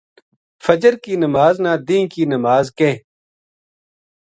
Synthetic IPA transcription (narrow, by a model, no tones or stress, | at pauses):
fəd͡ʒəɾkiːnəmaːznãːd̪ĩːkiːnəmaːzkeː